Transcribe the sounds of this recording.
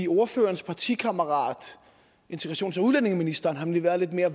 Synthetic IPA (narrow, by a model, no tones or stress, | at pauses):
io̝ɐfø̰ːɐnspʰɑ̈t͡sʰḭkʰɑməʁɑ̰̈ːd̥ | e̝nt͡sʰeɡ̥ʁɑ̈ɕo̰ːnsɒuðlene̝ŋminisd̥ɐːnɦɑ̈mnliʋæːɐð̞̩ˠle̝d̥me̝ːɐ